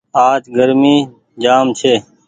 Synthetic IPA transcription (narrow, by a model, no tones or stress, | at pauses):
aːt͡ʃɡəɾmiː | d͡ʒaːmt͡ʃʰeː